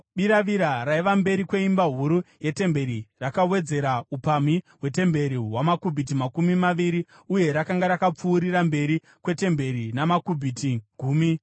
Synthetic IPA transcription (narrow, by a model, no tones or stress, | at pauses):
ɓiɾaʋiɾaɾaiʋambe̞ɾikwe̞imbaɦuɾuje̞te̞mbe̞ɾirakawe̞d͡ze̞ɾaupamiɦwe̞te̞mbe̞ɾiɦwamakubʱit̬imakumimaʋiɾi | uje̞ɾakaŋɡaɾakap͡fuːɾiɾambe̞ɾi | kwe̞te̞mbe̞ɾinamakubʱitiɡ̥ʱuːmi